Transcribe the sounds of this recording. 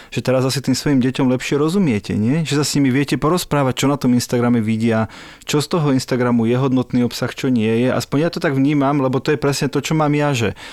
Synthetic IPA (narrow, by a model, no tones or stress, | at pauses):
ʒ̥ɛt̪ɛɾazasit̪iːmsʋɔjimɟɛcɔmlɛpʃɪɛɾɔzumɪɛcɛ̰ɲɪɛʒɛsasɲimiʋɪɛcɛpɔɾɔspɾaːʋac̚t͡ʃɔnat̪ɔminst̪aɡɾamɛʋiɟɪa | t͡ʃɔst̪ɔɦɔinst̪aɡɾamujɛɦɔd̪nɔt̪niːɔpsaxt͡ʃɔɲɪɛjɛʔa̰spɔɲjat̪ɔt̪aɡʋɲiːmamlɛbɔt̪ɔjɛpɾɛsɲɛt̪ɔt͡ʃɔmaːmjaʒɛ